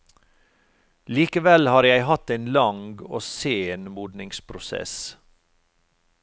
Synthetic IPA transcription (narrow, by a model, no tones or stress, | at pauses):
liːkəʋɛlhɑːɾjæɪhɑt̪eɪnlɑŋɡo̰ːseːnmuːd̪nɪŋspʰɾʊsɛ̰s